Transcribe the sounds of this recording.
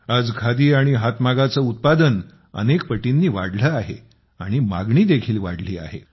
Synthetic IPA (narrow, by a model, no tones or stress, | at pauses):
ad͡zkʰad̪iːaɽ̃iɦat̪maɡat͡səut̪̚pad̪ən | ə̰nekpəʈinːiːʋa̰ɽləaɦḛ | aɽ̃ima̰ɡɳiːd̪ekʰiːlʋa̰ɽlḭːa̰ɦḛ